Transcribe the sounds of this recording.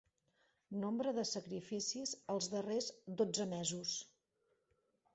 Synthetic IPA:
nombɾəðəsəkɾifisizəlˠzðərezd̪od͡zəmɛzus

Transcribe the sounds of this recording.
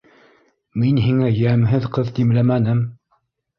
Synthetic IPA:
minɦiŋæjæmɦɘðqɤðt̪imlæmænɘm

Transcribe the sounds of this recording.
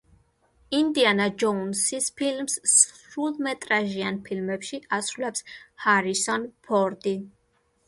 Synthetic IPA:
ind̪ianad͡ʒɔunsispʰilmsɾulˠmɛt̪ʼɾaʒianpʰilmɛpʃiasɾulɛpshaɾisɔnpʰɔɾd̪i

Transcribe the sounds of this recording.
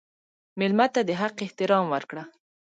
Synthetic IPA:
mɪlmat̪ad̪əɦaqɪht̪ɪɾɑmwəɾkɽa

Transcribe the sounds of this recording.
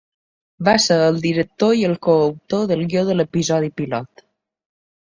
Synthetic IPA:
βaseɾəlˠd̪iɾək̚t̪oiəlˠkoəwt̪oðəlˠɡjoðələpizɔð̞ipilɔt̪

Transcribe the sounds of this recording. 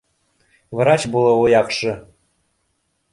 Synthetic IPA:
vɾɑt͡ɕbulˠɤ̆ojɑkʂɤ̆

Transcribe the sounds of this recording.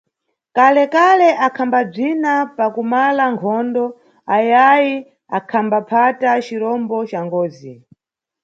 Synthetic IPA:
kalɛkalɛʔakʰambab͡ʐinapakumalaŋkʰɔndɔ | ajaji | akʰambapʰatat͡ʃiɾɔmbɔt͡ʃaŋɡɔːzi

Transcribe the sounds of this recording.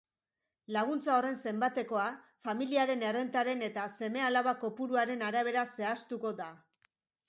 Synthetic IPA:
laɣ̞unt͡sao̞re̞nse̞mbat̪e̞ko̞a | familiaɾe̞ne̞re̞nt̪aɾe̞ne̞t̪ase̞me̞alaβako̞puɾuaɾe̞naɾaβ̞e̞ɾase̞ast̪uko̞d̪a

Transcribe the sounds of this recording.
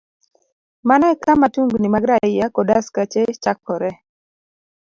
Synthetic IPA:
manakamatuŋɡnimaɡɾaɪjakɔdaskat͡ʃet͡ʃakːɔɾɛ

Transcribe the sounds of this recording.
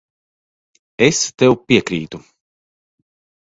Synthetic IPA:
est̪ɛwpʲiɛkɾiːt̪u

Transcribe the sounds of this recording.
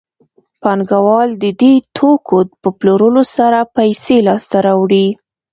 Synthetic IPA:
panɡawɑld̪əd̪et̪ʰokod̪pəploɾəlosaɾapajselɑst̪aɾawɽi

